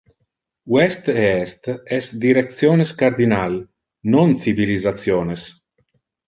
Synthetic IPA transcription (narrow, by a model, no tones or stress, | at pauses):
wɛst̪ɛst̪ɛsd̪iɾekt̪sjoːneskaɾd̪inal | nont͡sivilizat̪sjoːnes